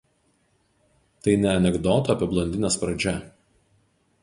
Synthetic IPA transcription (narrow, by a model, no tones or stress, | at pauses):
t̪ɐɪnʲɛɐnʲɛɡd̪oːt̪oɐpʲɪblˠɐnʲd̪ʲɪnʲɛspɾɐd͡ʒʲɛ